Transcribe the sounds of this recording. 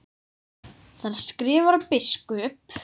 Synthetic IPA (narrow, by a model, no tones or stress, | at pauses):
θaɾ̥skɾɪːvaɾpɪskʏʏm